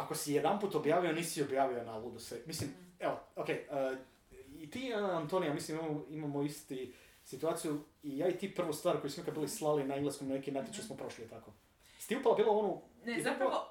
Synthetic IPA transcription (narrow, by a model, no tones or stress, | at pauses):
akosijed̪ampuːt̪objaːʋio̞niːsio̞bjaːʋio̞nalud̪usemislimeookejə | it̪iaant̪onijamislimimamoimamoist̪i | sit̪uaːt̪sijuijaːit̪ipr̩ʋost̪ʋaːɾko̞jusimikad̪biːlˠislˠalinaiŋɡleskomnanekinat̪jit͡ʃusmopɾo̞ʃlit̪ako | st̪iupalabiːlˠoonuniap